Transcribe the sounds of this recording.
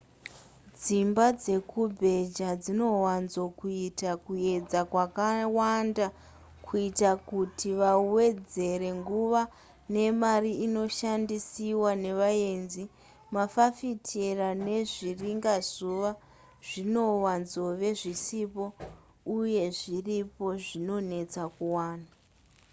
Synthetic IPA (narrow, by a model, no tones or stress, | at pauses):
d͡zimbad͡ze̞kubʱe̞d͡ʒad͡zino̞wanzokuitakue̞d͡zakwakawanda | kʰuitakutʰiʋawe̞d͡ze̞ɾe̞ŋɡuʋa | ne̞mariino̞ʃandisiwane̞ʋae̞nzi | mafafitʰerane̞ʐiriŋɡazuʋa | ʐ̥ino̞wanzo̞ʋe̞ʐisipo̞ | uje̞ʐiripo̞ʐino̞ne̞t͡sakuwaːna